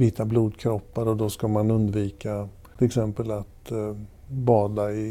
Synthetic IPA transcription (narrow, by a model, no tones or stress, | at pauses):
vɪt̪ːabluːd̪kʰɾɔpːaɾɔd̪ɔskamanɵnd̪viːka | ɪlɛksɛmpəlat̪ | bɑːd̪aɪ